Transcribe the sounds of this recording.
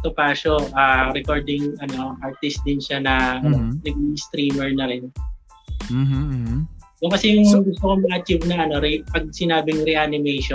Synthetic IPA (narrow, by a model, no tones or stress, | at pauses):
t̪opaːʃoʔaːɾɛkoɹd̪ɪŋʔɐno̞ʔaɹt̪ɪst̪̚d̪ɪnʃanɐɐnonɐɡ̚iŋst̪ɾiːmɛɹnɐɾɪn | ʔokɐsɛjʊŋɡʊst̪okomɐŋɐt͡ʃivnɐʔɐno̞ɾɪpɐɡ̚sɪnaːbɪŋɾɛʔanɪmejʃo